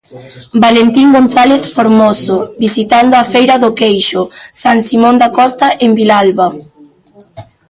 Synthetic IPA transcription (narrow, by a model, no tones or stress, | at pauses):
balent̪iŋɡon̟θaleθfoɾmosobisit̪and̪oafejɾaðokejʃʊsaŋsimõnd̪akɔst̪aʔembilalβa